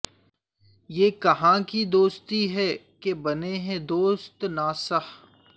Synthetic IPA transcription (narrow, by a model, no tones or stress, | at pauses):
jeːkɐɦãkid̪oːst̪iɦɛ | kebɐneɦɛ̃d̪oːst̪naːsəh